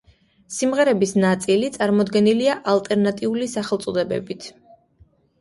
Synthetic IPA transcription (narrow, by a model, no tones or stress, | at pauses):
simʁɛɾɛbisnat̪sʼilit̪sʼaɾmɔd̪ɡɛniliaʔalˠt̪ʼɛɾnat̪ʼiulisaχɛlˠt̪sʼɔd̪ɛbɛ̰bit̪ʰ